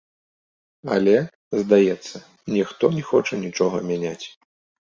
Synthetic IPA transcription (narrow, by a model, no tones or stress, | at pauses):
ɐ̰lʲɛ | zd̪ajɛt̪sːɐ | nʲɛxt̪ɔnʲɛxɔt͡ʂɐnʲit͡ʂɔɣɐmʲanʲat͡sʲ